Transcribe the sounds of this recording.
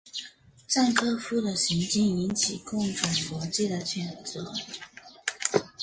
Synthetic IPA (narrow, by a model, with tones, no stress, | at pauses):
t͡sa˥˩nkʰɤ˥fu˥d̪ə˨ɕi˧˥ŋt͡ɕi˥˩ni˧˥nt͡ɕʰi˨˩kʊ˥˩ŋʈ͡ʂʊ˨˩ŋfwɔ˧˥t͡ɕi˥˩d̪ə˩t͡ɕʰɥɛ˨˩nt͡sɤ˧˦